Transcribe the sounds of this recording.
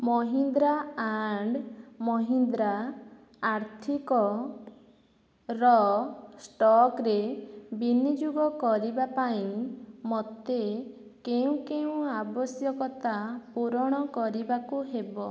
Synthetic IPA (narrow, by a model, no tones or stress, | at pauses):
mɔɦind̪ɾaaɳɖmɔɦind̪ɾa | aɾt̪ʰikɔ | ɾɔsʈɔkɾebinid͡ʒuɡɔkɔɾibapaĩmɔt̪e | keũkeũabɔsjɔkɔt̪apuɾɔɽ̃ɔkɔɾibakuɦebɔ